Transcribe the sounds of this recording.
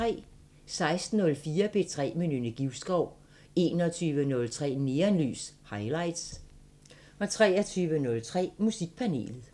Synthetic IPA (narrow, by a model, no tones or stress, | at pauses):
t͡sʰʁɛ̰ː | sɑ̈ɪsd̥n̩ɔ̽lfiːɐb̥ʰe̝t͡sʰʁɛ̰ːminynəɡ̥iʊsɡ̥ɒʊ̰ | e̝̰ːnɒt͡sʰyːʋənɔ̽lt͡sʰʁɛ̰ːne̝ːɐnly̰ːshɑ̈ɪlɑ̈ɪ̰d̥s | ɒ̽t͡sʰʁɛːɐt͡sʰyːʋənɔ̽lt͡sʰʁɛ̰ːmusiɡ̥̚pʰæne̝̰ːlð̩ˠ